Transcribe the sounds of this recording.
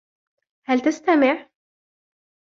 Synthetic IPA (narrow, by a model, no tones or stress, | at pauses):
hælt̪ɪst̪amɪʕ